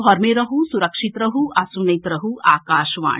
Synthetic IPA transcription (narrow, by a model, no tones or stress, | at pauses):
ɔɾmeɾɐɦusuɾɐkʂit̪ɾɐɦuʔɐsunɐjt̪ɾɐɦuʔaːkaːʃʋa̰ː